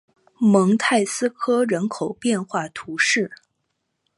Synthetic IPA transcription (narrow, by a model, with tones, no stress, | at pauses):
mɤ˧˥ŋt̪ʰa˥˩ɪsɹ̩˥kʰɤ˥ɻə˧˥nkʰo˨˩ʊpjɛ˥˧nxwa˥˩t̪ʰu˧˥ʂɻ̩˥˩